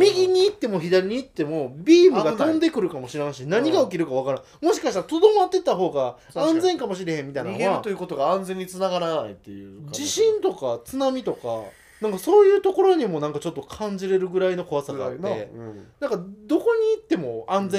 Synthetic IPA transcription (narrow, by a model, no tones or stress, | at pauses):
mʲiɡʲiɲ̟iːt̪ːe̞mo̞çid̪aɾʲiɲ̟iːt̪ːe̞mo̞bʲiːmɯɡat̪õ̞nd̪e̞kɯ̟ɾɯ̟kamo̞ɕiɾãɕinaɲ̟iɡaok̬ʲiɾɯ̟kaβakaɾã | mo̞ɕi̥kaɕit̪aɾat̪o̞d̪o̞mat̪ːe̞t̪ːaɦo̞ːɡa | ãnd͡zẽ̞ŋkamo̞ɕ̬iɾe̞hẽmːʲit̪ainnat̪ojɯ̟ko̞t̪o̞ɡaãnzẽ̞ɲ̟ːit͡sɨnaɡaɾana̰ḭt̪ːejɯ̰d͡ʑiɕĩnt̪o̞kat͡sɨnamʲit̪o̞ka̰ | nãŋkaso̞ːjɯ̟ːt̪o̞ko̞ɾo̞ɲ̟imo̞nãŋkat͡ɕo̞t̪ːo̞kʰãɲ̟d͡ʑiɾe̞ɾɯ̟ɡɯ̟ɾaino̞ko̞βasaɡa̰ːt̪ːenãŋkad̪o̞ko̞ɲ̟iːt̪ːe̞mo̞ãnd͡zẽ